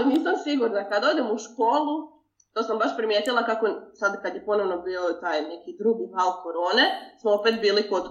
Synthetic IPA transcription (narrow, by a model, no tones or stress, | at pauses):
niːsamsiɡuɾnakad̪od̪emuʃkoːlˠu | t̪osambaʃpɾimjeːt̪ilˠakakosad̪kad̪jepo̞no̞ʋnobiːot̪aːjne̞kid̪ɾuːɡihalˠko̞ɾo̞ːnesmoopet̪̚biːlikot̪